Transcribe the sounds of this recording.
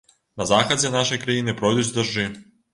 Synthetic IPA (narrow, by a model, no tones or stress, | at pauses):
nazaxazʲɛnaʃejkɾajinepɾojd̪ut͡s̪ʲd̪aʒi